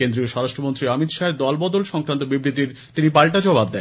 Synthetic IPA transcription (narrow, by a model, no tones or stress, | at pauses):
kend̪ɾioʃɔɾaʃʈɾomont̪ɾiamit̪ʃaeɾd̪ɔlbɔd̪olʃɔŋkɾant̪obibɾit̪iɾ | t̪inipalʈad͡ʑɔbab̚d̪ɛ